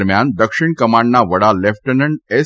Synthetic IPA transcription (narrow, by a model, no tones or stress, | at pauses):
ɾmjand̪əkʂɪɳkəmaːɳɖnaʋəɽalɛfʰʈənəɳɖe